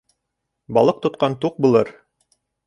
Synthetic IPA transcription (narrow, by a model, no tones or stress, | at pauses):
bɑlˠɤq̚t̪ŏt̪̚qɑnt̪uq̚bulˠɤɾ